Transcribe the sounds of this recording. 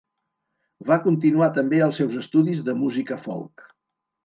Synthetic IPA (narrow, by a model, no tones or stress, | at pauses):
βakunt̪inuat̪əmbeəlˠsɛwzəst̪uðizðəmuzikəfɔ̰lˠk